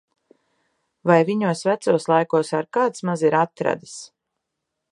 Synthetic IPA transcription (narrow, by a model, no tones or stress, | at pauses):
vajviɲuɔsvæt̪suɔslˠajkuɔsaɾkaːt̪smaziɾat̪ɾa̰d̪as